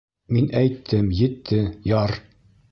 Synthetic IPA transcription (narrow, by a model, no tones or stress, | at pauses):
minʔæjt̪ːɘmjɘ̆t̪ʰːɘjɑɾ